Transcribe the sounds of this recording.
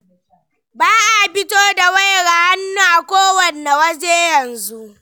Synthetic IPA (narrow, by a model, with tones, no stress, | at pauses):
baː˦ʔa˨ɸɪ˦toː˦da˨wa˦jɽa˨ha˦nːuː˦ʔa˨kʷoː˦wɐ˨nːe˨wɐ˦d͡ʒeː˦jɐ˨nzu˦ʔ